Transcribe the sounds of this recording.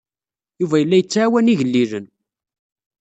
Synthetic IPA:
juvæjəlːæjət͡sːʕawæniʝəlːilən

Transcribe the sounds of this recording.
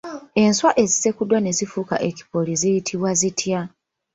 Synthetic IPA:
e̞nswaʔe̞zise̞kudwane̞zifuka̰ʔe̞ci̥po̞lizijitʰiβwazitʰja

